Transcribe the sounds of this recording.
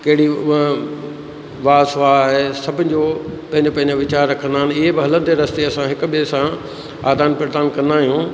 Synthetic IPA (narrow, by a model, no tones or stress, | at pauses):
kɐɦɪɽi | ʋaːsaːɦesɐbʱɪ̃nɪ̆d͡ʑopɐ̃ɦɪ̃ɲ̆d͡ʑopɐ̃ɦɪ̃ɲd͡ʑoʋɪt͡ɕaːɾːɐkʰə̃nd̪aːɪnɪ̆ɪɦebɪɦɐlə̃nd̪eɾɐst̪eɐsãɦɪkʊbiesã | aːd̪aːnpɾɪɾd̪aːnkɐ̃nd̪aːɦijũː